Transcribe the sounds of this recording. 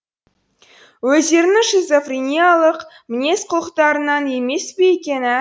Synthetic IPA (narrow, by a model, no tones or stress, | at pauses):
wɵzd̪e̞ɾɪnɪʃezofrʲenʲijalˠəq | mɪnʲe̞sqʰʊlˠəqt̪ɑɾənɑne̞me̞spe̞jekʲe̞nɪ